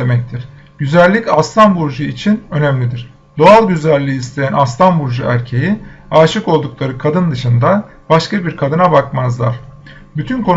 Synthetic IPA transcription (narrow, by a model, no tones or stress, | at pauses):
emɛc̚t̪ʰiɾ̥ | ɟyzælʲːicast̪ʰanbuɾʒɯit͡ʃʰinø̞næmlʲid̪iɾ̥ | d̪oalˠɟyzælʲːijːst̪ʰe̞jænast̪ʰanbuɾʒɯæɾcʰe̞jiaːʃɯko̞lˠd̪uklˠaɾɯkʰad̪ɯnd̪ɯʃɯnd̪a | baʃkabiɾkʰad̪ɯnabakmazlˠaɾ̥ | byt̪ʰynkʰo̞n